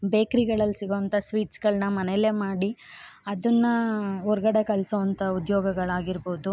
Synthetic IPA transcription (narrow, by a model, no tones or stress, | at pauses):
beːkɾiɡɐɭɐlsiɡoʋɐnt̪ɐsʋiːʈsɡɐɭnɐmɐneleːmaːɽi | ɐd̪ɐnːɐɔɾɡɐɽe̞kɐɭsoʋɐnt̪ɐud̪jɔːɡɐɡɐɭaːɡiɾboːd̪u